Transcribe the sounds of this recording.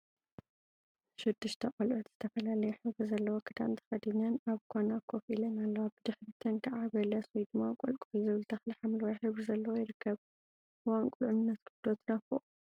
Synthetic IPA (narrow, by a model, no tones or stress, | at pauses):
ʃɪd̪ːɨʃt̪ʰɐqʼɐlʕut̪z̥ɨt̪ʰɐfɐlalɐjɛħɨβɾɨzɐlːɐwokʰɨd̪a̰ʔnt̪ʰɐ̥xɐd̪ɨnɐnaβkʰonakʰofilɐnalːɐwabɨd̪ɨħbɨt̪ʰɐnkʰaʕaβɐlɐswid̪ɨmːakʼolkʼuizɨβɨlt̪ʰɐxlɨħamlwajħɨβɾɨzɐlːɐwojɪɾɨkʰːɐβ | ʔɨwankʼʊlʕʊnɨnːɐt̪kʰɨd̪ot̪ʰnɐfɨʔ